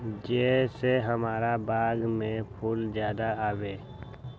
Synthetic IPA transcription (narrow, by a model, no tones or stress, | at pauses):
d͡ʒɛseɦəmaːɾabaːɡmẽpʰʊlzjaːd̪aaːʋeː